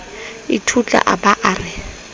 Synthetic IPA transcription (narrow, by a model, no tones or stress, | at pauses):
ɪtʰut͡ɬʼa̰ʔabaʔaːrɪ